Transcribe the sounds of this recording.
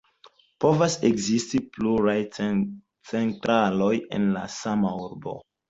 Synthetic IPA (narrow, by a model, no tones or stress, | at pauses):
po̞vasekzistipluɾaj | t͡se̞ntɾʔalo̞jḛnla̰samauɾbo̞̰